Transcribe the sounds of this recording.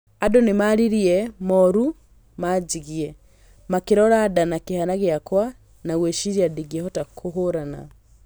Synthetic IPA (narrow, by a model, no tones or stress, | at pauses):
adonemaɾiɾiɛmɔɾu | maːd͡ʒiɣiɛ | makeɾɔɾadanakehanaɣeakwa | naɣweʃiɾiadiɡiɛhɔtakʰoɦoɾana̰